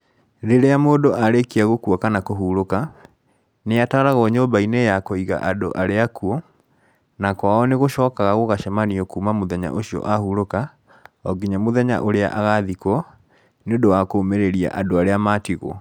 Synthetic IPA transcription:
ɾeɾeamoːdoʔaɾekiaɣokuɔkanakoɦuɾoka | neataɾaɣɔɲobainejakoiɣa̰ʔado̰ʔaɾeakuɔ | nakwaɔneɣoʃɔːkaɣaɣoɣaʃɛmaniokuːmamoðɛɲa̰ʔoɕiɔ̰ʔahuɾoka | ɔɡiɲamoðɛɲa̰ʔoɾea̰ʔaɣaðikɔ | neondowakomeɾeɾia̰ʔadoaɾeamatiɣo̰

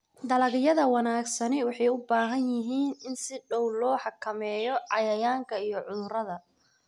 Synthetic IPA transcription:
d̪ɐlɐɣɪjɐðɐwɑnaːɡsɐnɛwɑħɑjʊbaːɦɐnjɪɦiːnɪnsɪɖɔwlɔːħɑkʰɐmɛːjɔʕɑjɐjaːŋkʰɐijɞʕʊðʊɾɐðɐ

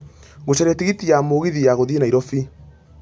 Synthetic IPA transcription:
ɣoɕɛɾɛtiɣitijamoːɣiðijaɣoðienaiɾɔfi

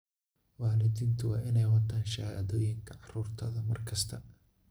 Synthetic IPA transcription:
wɑːlɪd̪iːnt̪ʰʊwɑːʔɪnɛjwɐt̪ʰaːnʃɐha̰ʔðɔːjɪŋkʰɐʕɑruːrt̪ʰɐðɐmɐ̰rkʰɐst̪ʰɐ

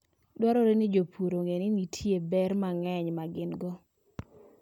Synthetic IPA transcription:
dwaɾoɾenɪd͡ʒopʰuɾoŋenɪnitʰjebɛrmaŋɛɲmaɡɪnɡɔ

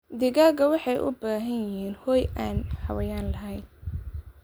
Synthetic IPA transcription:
d̪ɪɣaːɣɐwɑħɑjʔʊ̰baːɦɐnjɪɦiːnhɔːjʔaːnhɐwɐjaːnlɐɦɛjn

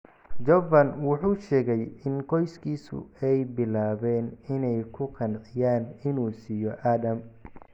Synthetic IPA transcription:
d͡ʒɔvɐnwʊħuːʃɛːɣɛjɪnqɔjskʰiːsʊ̰ɛjbɪlaːβɛːnɪnɛjkʰʊqʰɑnʕɪjaːnɪnuːsijɔʔaːdɐm

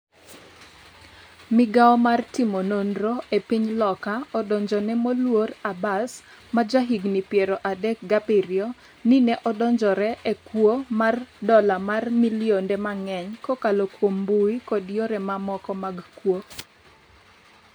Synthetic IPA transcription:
mɪɡaɔmartimonondɾoepiɲlɔkaɔdɔɲd͡ʒɔnɛmolworabas | mad͡ʒaɦiɡnipjeɾoʔadɛk̚ɡabiɾjo | ninɛʔɔdɔɲd͡ʒɔɾɛʔekwomardɔlamarmiljondɛmaŋɛɲkɔkalokwombuikodjoɾɛmamɔkɔmaɡkwo

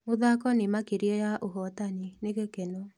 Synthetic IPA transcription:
moðakɔnemakeɾjɔjaʔoɦɔtanineɣekeno

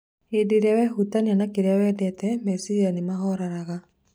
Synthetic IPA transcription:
edeɾɛwɛhut̪aneanakeɾawɛdɛt̪ɛmɛsianimahɔɾaɾaɣa

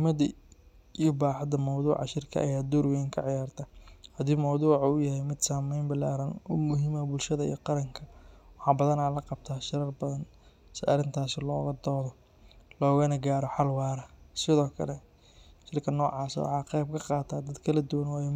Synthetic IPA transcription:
mɐðɐ | ijɔbaːħɑd̪ɐmɐwðuːʕɑ̰ʃɪrkʰɐ̰ʔɐ̰jaːd̪ɔɾwɛjŋkʰɐʕɪjaːrt̪ʰɐhɐd̪iːmɐwðuːʕɔʊjɐɦɛjmɪd̪saːmɛjmbɪlaːɾɐnɔmʊɦɪmɐbʊlʃɐðɐḭjqɑɾɐŋkʰɐwɑħɑːbɐðɐnaːlɐqɑb̚t̪ʰaːʃɪɾɐrbɐðɐn | sɪɐ̰rɪnt̪ʰaːsɪlɔ̰ːɣɐd̪ɔːðɔ | lɔːɣɐnɐɡaːɾɔħɑlwɑːɾɐsɪðɔːkʰɐ̰lɛ | ʃɪrkʰɐnɔːʕɑːsɐ̰wɑ̰ħɑːqɛjb̚kʰɐqɑːt̪ʰaːd̪ɐd̪kʰɐlɐd̪ʊwɐnwɑːjɛ

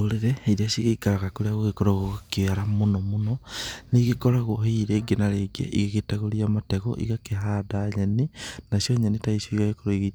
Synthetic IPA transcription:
oɾeɾɛeɾeasiɣeikaɾaɣakoɾeaɣoɣekoɾaɣokeaɾamonɔmonɔneɣekɔɾaɣoɦiɾeɡenaɾeːɡḛʔiɣeɣetaɣoɾiamatɛɣɔ̰ʔḭɣakeɦaːdaɲenenasjɔɲanetaisoiɣaɣekoɾeɣi

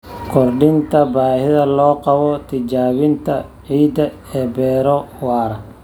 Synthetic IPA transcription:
kʰɔrɖɪnt̪ʰɐbaːhɪðɐlɔːqɑβɔt̪ʰɪd͡ʒaːβɪnt̪ʰɐʕiːd̪ɐ | ɛːbɛːɾɔwaːɾɐ

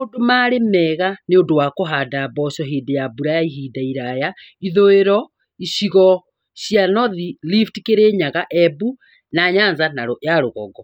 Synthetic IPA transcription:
odomaɾemɛɣaneondowakoɦaːdabɔɕɔɦeːdejabuɾajaiɦiːdaiɾaja | iðoeɾɔ | iɕiɣɔ | ɕianɔðiliftikeɾeɲaɣaʔɛbu | naɲanzanaɾoʔjaɾoɣɔ̰ɡɔ

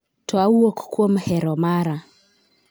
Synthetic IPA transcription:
twauɔku̥kuɔm̩hɛɾɔmaɾa

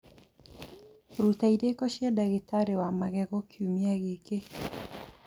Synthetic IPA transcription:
ɾut̪aidekɔʃjɛdaɣɪtaɾewamaɡɛɡɔkʰjumiaɡeke

